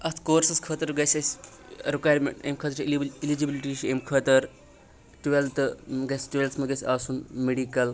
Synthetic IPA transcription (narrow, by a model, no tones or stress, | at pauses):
ɐt̪ʰkoːɾsɐskʰəːt̪ɐɾɡɐsʲɐsʲ | ɾikwaːjɾmḛɳʈɐ̰mkʰəːt̪ɾilid͡ʒibilʈiʃɐmkʰəːt̪ɐɾ | ʈuʋelt̪ɨɡɐsʲʈʋelt̪ʰmɐɡɐsʲaːsunmeɖikɐl